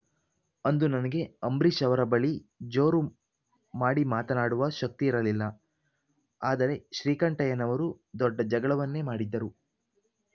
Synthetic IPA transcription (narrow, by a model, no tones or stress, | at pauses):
ɐnd̪unɐnɐɡe̞ɐmbɾiʃɐʋɐɾɐbɐɭid͡ʒo̞ːɾu | maːɽimaːt̪ɐnaːɽuʋɐʃɐk̚t̪iːɾɐlilːɐ | aːd̪ɐɾe̞ʃɾiːkɐɳʈɐjɐnɐʋɐɾu | d̪ɔɖːɐd͡ʒɐɡɐɭɐʋɐnːe̞maːɽid̪ːɐɾu